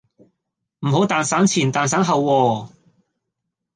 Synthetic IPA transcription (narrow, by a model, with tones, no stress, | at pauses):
m̩˨˩ho˨˥wt̪aː˨˧nsaː˨˥nt͡sʰiː˨˩nt̪aː˨ns̬aː˨˥nɦɐ˨˧wːɔː˧